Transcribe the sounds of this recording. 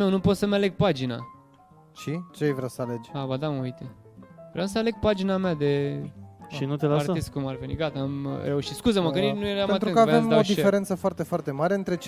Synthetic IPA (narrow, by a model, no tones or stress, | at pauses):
mewnupo̞t̪səmale̞ɡ̚pad͡ʒina̰ | t͡ʃit͡ʃeejvɾawsəaled͡ʒʲabad̪aməujt̪e | vɾeamsəale̞ɡ̥̚pad͡ʒinamead̪e̞ | ʃinut̪elaatest̪̚kumarvenḭɡat̪aːmɾe̞uʃi̥t̪skuzəməkəninueɾamat̪t̪ɾɨ̃nkəavvemaod̪ifeɾent̪səfoart̪efoart̪e̞maɾeɨnt̪ɾe̞t͡ʃ